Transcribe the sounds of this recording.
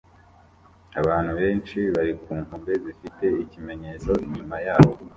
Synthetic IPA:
aβaːn̥uβe̞ːnt͡ʃiβaɾikuːŋhumbe̞zifite̞icime̞ɲe̞t͡so̞iɲumajaːβo̞

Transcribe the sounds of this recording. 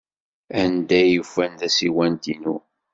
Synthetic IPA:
ænd̪æjːufænðæsiwænt̪inu

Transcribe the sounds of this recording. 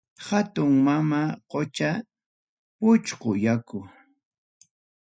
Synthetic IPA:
hat̪ʊŋmamaqot͡ʃa | pʊt͡ʃqʊjakʊ

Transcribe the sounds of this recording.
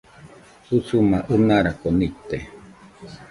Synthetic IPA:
husumaʔunaɾakonit̪e

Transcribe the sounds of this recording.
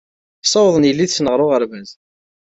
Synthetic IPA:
sˤɑwðˤənjəlːiðsnəʁɾˤʊʁəɾvæz

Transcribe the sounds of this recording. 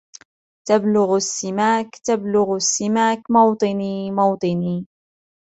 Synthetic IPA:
t̪ablʊɣasːɪmaːkt̪ablʊɣasːɪmaːkmɑwt̪ˤɨniːmɑwt̪ˤɨniː

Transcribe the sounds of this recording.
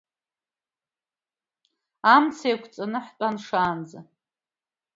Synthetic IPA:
amt͡sʰjkʷʰt͡sʼanɨħt͡pʼanʂaːnd͡za

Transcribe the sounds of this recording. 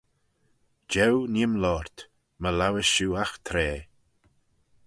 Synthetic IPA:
d͡ʒɛwnimlɔːɹt̪ | məlawəʃuːaxt̪ʰɾeː

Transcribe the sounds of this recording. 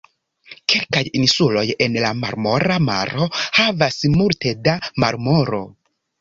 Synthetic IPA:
kʰe̞lkajinsulo̞je̞nlama̰ɾmo̞ɾama̰ɾo̞havasmulte̞damaɾmo̞ɾo̞̰

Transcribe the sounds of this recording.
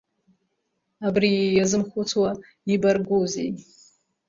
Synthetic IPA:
abrijazɨmχʷut͡sʰwa | ibarɡuzḛj

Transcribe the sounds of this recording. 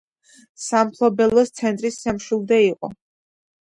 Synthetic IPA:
sampʰlˠɔbɛlˠɔst̪sʰɛnt̪ʼɾisːɛmʃilˠd̪ɛiqʼɔ̰

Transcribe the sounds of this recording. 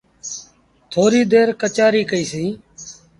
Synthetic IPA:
t̪ʰoːɾiːd̪eːɾkət͡ʃaːɾiːkəiːsĩː

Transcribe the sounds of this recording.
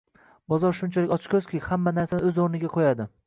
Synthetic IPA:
bɒzɒɾʃʊnt͡ʃʰalɪkʲɒt͡ʃkʲʰɵz̥kʲʰɪhamːanaɾsanɪɵzoɾnɪɡʲaqʰojad̪ɪ

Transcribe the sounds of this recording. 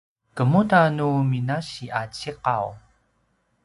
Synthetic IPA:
kəmutanuminaɕiʔat͡ɕiqaw

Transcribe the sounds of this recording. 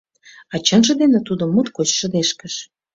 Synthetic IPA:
ɑt͡ɕənʒə̆d̪enet̪ud̪omːut̪kot͡ɕʃə̆d̪eʃkəʃ

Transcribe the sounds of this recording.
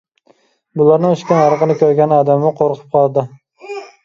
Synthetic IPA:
bʊlˠaɾnɪŋyʃkʲanɑɾɨqɨnɪkʲʰɵɾɡʲanɒd̪amɪqʰoɾqʰɨ̥p̚qʰɒlˠd̪ɪ

